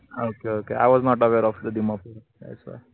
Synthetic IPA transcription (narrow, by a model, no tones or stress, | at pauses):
okeokea̰ɪʋɔznɔʈəweɾɔfd̪əd̪imapɔ | a̰sa̰ɾ